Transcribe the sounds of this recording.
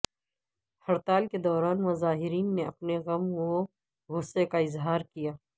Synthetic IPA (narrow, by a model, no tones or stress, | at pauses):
hɐɾt̪aːlked̪ɔːɾaːnmɐzaːɦɪɾiːnːeɐpneɣɐmo | ɣʊsekaɪzɦaːɾkijaː